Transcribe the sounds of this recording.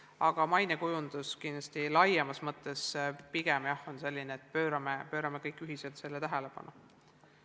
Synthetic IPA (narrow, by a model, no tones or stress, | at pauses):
ɑɡ̥ɑmɑjnekujund̪̥uskind̪̥lɑsʲt̪ilɑjemɑsmɤt̪ːˑe̞spiɡ̥emjɑho̞nse̞lʲːineːt̪̚pøːɾɑmepø̞ːɾɑmekɤjkːˑyɦise̞lt̪se̞lːet̪æɦele̞pɑ̰nu